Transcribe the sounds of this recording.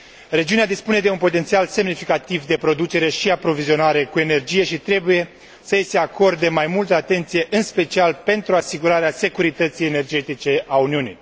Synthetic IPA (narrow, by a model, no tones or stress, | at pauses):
re̞d͡ʒiunead̪ispune̞d̪e̞unpo̞t̪ent̪sialse̞mnifikat̪ivd̪e̞pɾo̞d̪ut͡ʃe̞ɾe̞ʃiapɾo̞vizio̞naɾe̞kue̞ne̞rd͡ʒije̞ʃit̪ɾe̞buje̞ | səjese̞ako̞rd̪emajmult̪əat̪e̞nt̪sije̞ʔɨnspe̞t͡ʃialpe̞nt̪ɾuasiɡuɾaɾease̞kuɾit̪ət̪sije̞ne̞rd͡ʒe̞t̪it͡ʃe̞auniunḭj